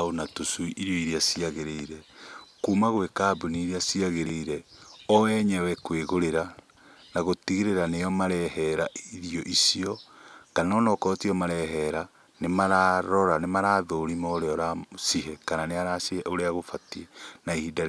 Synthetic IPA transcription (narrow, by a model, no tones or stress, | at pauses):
onatosuiʔiɾjɔiɾiasiaɣeɾeiɾɛkumaɣwekaːbuniːɾiasiaɣeɾeiɾɛɔɛɲɛwɛkweɣoɾeɾa | naɣotiɣeɾeɾanejɔmaɾɛhɛɾaʔiɾiɔʔisiɔkanɔnɔkɔtiɔmaɾɛɦɛɾa | nemaɾaɾɔɾanemaɾaːðoɾimɔoɾeɔɾasiɦɛkananeaɾasoɾeaɣofatienaihidaɾ